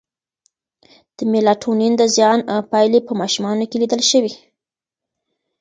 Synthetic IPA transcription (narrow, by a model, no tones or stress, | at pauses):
d̪̥əmelɑʈʰonind̪əzjɑnpɑjlepəmɑʃumɑnokelid̪əlʃəwi